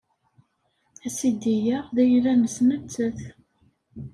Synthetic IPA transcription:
æsid̪ijæʁðæjðæməsmət͡sːəθ

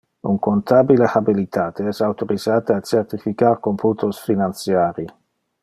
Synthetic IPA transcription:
uŋkont̪abileħabilit̪aːt̪eɛsawt̪oɾizaːt̪aat͡ʃert̪ifikaɾkomput̪osfinant̪sjaːɾi

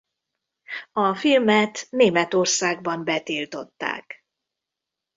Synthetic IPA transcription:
ɒfilmɛt̪neːmɛt̪o̞rsaːɡbɒmbɛt̪ilt̪o̞t̪ːa̰ːk

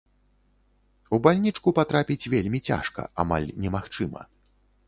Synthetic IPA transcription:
ubalʲnʲit͡ʂkupat̪ɾapʲit͡sʲvʲelʲmʲit͡sʲa̰ʂkɐ̰ama̰lʲnʲɛmaxt͡ʂɨmɐ̰

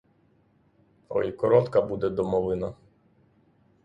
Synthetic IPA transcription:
ɔ̰ikɔɾɔt̪kɐbud̪ɛd̪ɔmɔʋɪnɐ

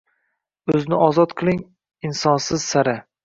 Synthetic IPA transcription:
ɵznɪʔɒzɒt̪qʰɨlˠɪŋ | ɪnsɒnsɪz̥saɾɪ

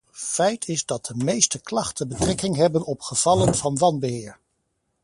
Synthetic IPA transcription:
fɛjtʰɪzdɑt̚dəmejstəklɑχtənbətrɛkɪŋɦɛbənɔpχəv̥ɑlənvɑnʋɑnbəɦɪːɹ

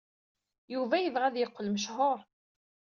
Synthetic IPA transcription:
juvæjəvʁæðjəqːəlməʃ̬ɦoɾˤ

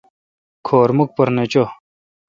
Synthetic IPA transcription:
kʰoːɾmuk̚pɐɾnet͡ɕo

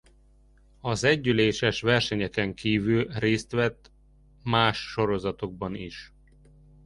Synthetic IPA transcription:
ɒzɛɟːyleːʃɛʃʋɛrʃɛɲɛkɛŋkiːvylreːst̪ʋɛt̪ː | maːʃːo̞ɾo̞zɒt̪o̞ɡ̚bɒnḭʃ

